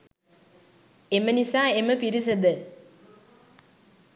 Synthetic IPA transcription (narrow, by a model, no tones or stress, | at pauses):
emənisaːeməpiɾis̬əd̪ə